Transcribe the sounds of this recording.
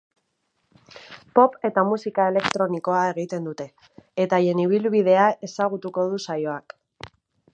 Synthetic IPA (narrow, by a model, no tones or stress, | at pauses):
po̞pe̞t̪amusikae̞le̞kt̪ɾo̞niko̞ae̞ɣ̞it̪e̞nd̪ut̪e̞ː | t̪aje̞niβ̞ilβið̞e̞ae̞saɣ̞ut̪uko̞ð̞usajo̞ak